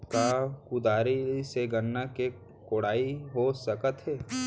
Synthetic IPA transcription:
kaːkʊd̪aːɾiseɡənːake | koːɽ̤aːiɦosəkət̪ɦɛː

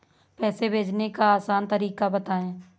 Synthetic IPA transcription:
pɛːsebʱeːd͡ʒnekaaːsaːnt̪əɾiːkabət̪aːẽː

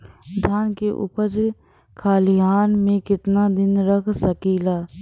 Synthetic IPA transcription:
d̪ʱaːnkeʔʊ̰pəɾd͡ʒ | kʰaːliaːnmẽkɪt̪nad̪ɪnɾəkʰsəkiːlaː

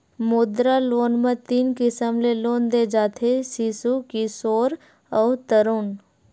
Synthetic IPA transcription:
mʊd̪ɾaloːnmə̃t̪iːnkɪsəmleloːnd̪ed͡ʒaːt̪ʰesisukisoːɾ | ɔːt̪əɾuːn

